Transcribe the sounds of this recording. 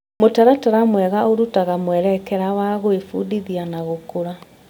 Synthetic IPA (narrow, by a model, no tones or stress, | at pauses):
motaɾataɾamwɛɣaoɾutaɣamwɛɾɛkɛɾawaɣoefudiðianaɣokoɾa